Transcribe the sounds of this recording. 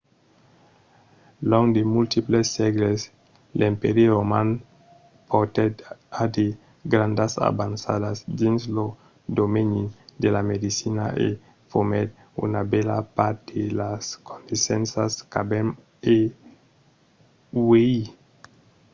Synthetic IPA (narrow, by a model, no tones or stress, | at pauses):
lɔŋd̪emult̪iplesːɛɡles | limpɛɾjeɾoman | pot̪et̪ad̪e | ɡɾand̪asa̰bansa̰d̪azd̪inslo | d̪omenid̪elamed̪isinaʔḛ | fomet̪̚ | ṵnabɛlapaɾt̪d̪elaskʰond̪isɛnsaskabem | e | wei